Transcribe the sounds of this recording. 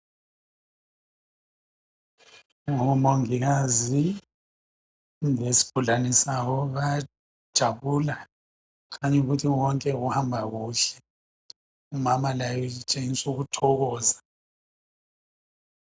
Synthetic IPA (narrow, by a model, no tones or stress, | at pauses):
ŋɔmoŋiɣazi | ŋesi̥b̥ʱuɮanisaβɔβa | d̥ʒ̥ʱaβula | kaɲɛɣutʰiwɔŋkʼɛɣuhambʱaɣuːɬɛ | umamalajɔit͡ʃʼeŋisuɣutʰɔɣɔːza